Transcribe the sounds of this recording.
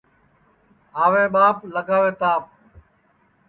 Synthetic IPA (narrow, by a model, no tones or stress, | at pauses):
ɦaːʋeːɓaːpləɡaːʋeːt̪aːp̚